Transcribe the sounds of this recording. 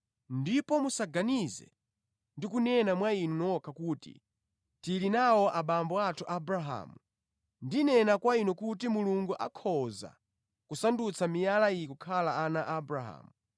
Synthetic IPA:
ndipɔmusaɡanizɛ̰ | ndikunɛnamwainunɔkʰakuːtḭ | tilinawɔʔaɓambɔatʰuʔabɾaɦa̰ːmu | ndinɛnakwainɔkutimuluŋɡuʔakʰɔza̰ | kusandut͡sʰamijalaijikukʰalaanaʔabɾaɦa̰ːmu

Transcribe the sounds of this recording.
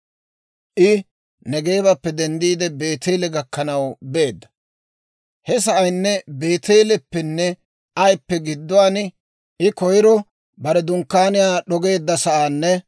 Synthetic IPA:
ʔɪ | nɛɡe̞ːbɐpːɛd̪ɛnd̪iːd̪ɛbe̞ːt̪eːlɛɡɐkːɐnɐwbe̞ːd̪ːɐ̥ | hɛs̬ɐʔɐjnːɛbe̞ːt̪eːlɛpːɛnːɛ | ʔɐjpːɛɡɪd̪ːʊwaːn | ʔɪkɔjɪɾɔ | bɐɾɛd̪ʊŋkːaːnɪjaːɗɔɡe̞ːd̪ːɐsɐʔaːnːɛ

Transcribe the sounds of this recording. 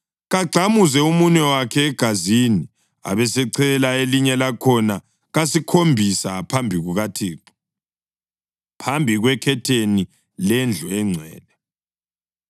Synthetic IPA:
ɣaɡ͡ǀʱamuzɛumuɲɛwakʰɛːɡ̥ʱazini | a̰βɛsɛǀʰɛlaeliɲɛlakʰɔna | ɣasikʰombʱisapʰambʱiɣuɣatʰiːǁ | pʰambʱiɣwɛkʰɛtʰeni | lɛnd͡ɮʱuɛŋ͡ǀʱɛ̰ːlɛ

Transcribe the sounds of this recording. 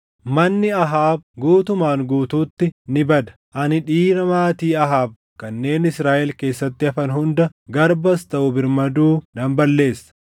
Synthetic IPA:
mɐnːɪɐɦaːb̚ɡuːt̪ʊmaːŋɡuːt̪uːt̪ːɪnɪbɐd̪ɐ̥ʔɐnɪᶑiːɾɐmaːt̪iːɐɦaːb̚ | kɐnːe̞ːnɪsɾaːʔɛlke̞ːsːɐt̪ːɪɐfɐnɦʊnd̪ɐɡɐɾbɐst̪ɐʔʊbɪɾmɐd̪uːd̪ɐmbɐlːe̞ːsːɐ̥

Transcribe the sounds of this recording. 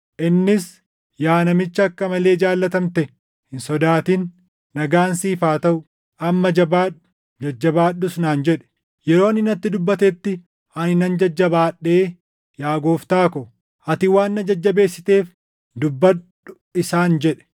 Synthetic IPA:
ʔɪnːɪs | jaːnɐmɪt͡ʃːɐːkːɐmɐle̞ːɪd͡ʒaːlːɐt̪ɐmt̪ɛ | hɪnsɔd̪aːt̪iːnː | ɐɡaːnsiːfaːt̪ɐʔʊ | ʔɐmːɐd͡ʒɐbaːᶑʊ̥ | d͡ʒɐd͡ʒːɐbaːɗːʊsnaːnd͡ʒɛᶑɛ̥ | jɛɾo̞ːɐnɪnɐt̪ːɪd̪ʊbːɐt̪ɛt̪ːɪ | ɐnɪnɐnd͡ʒɐd͡ʒːɐbaːɗːe̞ː | jaːɡoːft̪aːkɔ | ɐt̪ɪwaːnːɐd͡ʒɐd͡ʒːɐbe̞ːsːɪ̥t̪e̞ːf | d̪ʊbːɐɗ | ʊ | ɪsaːnd͡ʒɛᶑɛ̥

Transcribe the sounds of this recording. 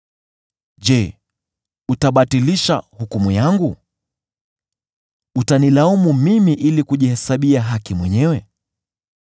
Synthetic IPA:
ʄɛ | utaɓatiliʃa̰hukumujaŋɡu | utanilaumumimiʔilikuʄihɛsaɓiaɦakimwɛɲɛwɛ

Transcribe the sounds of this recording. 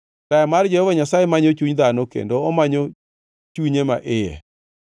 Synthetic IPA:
tajamard͡ʒɛhɔvaɲasajemaɲot͡ʃuɲd̪anokḛndoɔmaɲo | t͡ʃuɲemaʔɪjɛ̰

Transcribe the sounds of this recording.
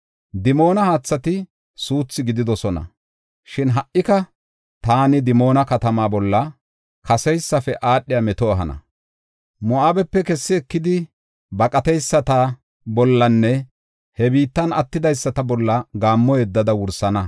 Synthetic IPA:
d̪ɪmo̞ːnɐhaːt͡sːɐt̪ɪ | suːt͡sːɪɡɪd̪ɪd̪ɔsɔnɐ̰ | ʃɪnɦɐʔʔɪkɐ | t̪aːnɪd̪ɪmo̞ːnɐkɐt̪ɐmaːbɔlːɐ | kʰɐsɛjsːɐfɛʔaːɗːɪjamɛt̪ɔɐɦɐnɐ̰ | mɔaːbɛpːɛkɛsːɪɛkːɪd̪ɪ | bɐkʼɐt̪ɛjsːɐt̪ɐ | bɔlːɐnːɛ | hɛbiːt̪ːɐnɐt̪ːɪd̪ɐjsːɐt̪ɐbɔlːɐɡaːmːɔjɛd̪ːɐd̪ɐwʊɾsɐnɐ

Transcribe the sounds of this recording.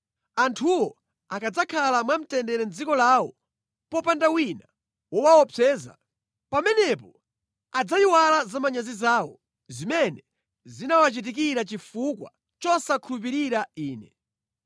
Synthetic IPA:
antʰuwɔ | akad͡zakʰalamwam̩tɛndɛɾɛnd͡zikɔlaːwɔ | pɔpandawina | wɔwaɔpʰɛːza̰ | pamɛnɛpɔ | ad͡zaiwalazamaɲazizaːwɔ | zimɛnɛ | zinawat͡ʃit̬ik̬iɾat͡ʃifukwa̰ | t͡ʃɔsakʰulup̬iɾiɾaiːnɛ

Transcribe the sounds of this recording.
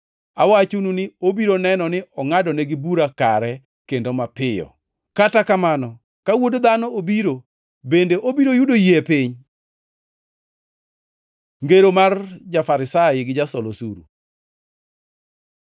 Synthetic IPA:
a̰wat͡ʃununɪobiɾonɛnɔnɪɔŋadɔneɡɪbuɾaka̰ɾɛ | kendomapɪjɔ̰ | katakamanɔ | kawodd̪anɔobiɾo | bendeʔobiɾojudojiepɪɲ | ŋɡeɾomard͡ʒafaɾɪsajɪɡɪd͡ʒasɔlosuɾṵ

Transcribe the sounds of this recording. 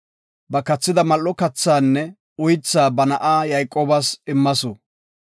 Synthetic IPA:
bɐkɐt͡sːɪd̪ɐmɐlːɔkɐt͡sːaːnːɛ | ʊjt͡sːaːbɐnɐʔaːjɐjkʼːoːbɐsɪmːɐsɔ

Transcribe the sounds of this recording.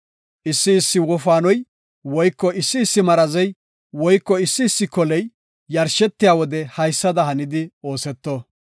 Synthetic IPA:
ʔɪsːɪːsːɪwɔfaːnɔj | wɔjkːɔɪsːɪːsːɪmɐɾɐzɛj | wɔjkːɔɪsːɪːsːɪkɔlɛjː | ɐɾʃɛt̪ːɪjaːwɔd̪ɛhɐjsːɐd̪ɐhɐnɪd̪ɪoːsɛt̪ːɔ

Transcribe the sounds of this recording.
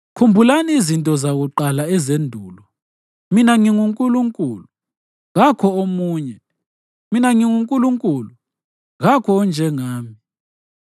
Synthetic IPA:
kʰumbʱulaniːzintʼɔzaɣuǃalaɛzendʱuːlɔ | minaŋiŋuŋkʼuluŋkʼuːluu | ɣakʰɔomuːɲɛ | minaŋiŋuŋkʼuluŋkʼuːlu | ɣakʰɔːnd͡ʒʱɛŋaːmi

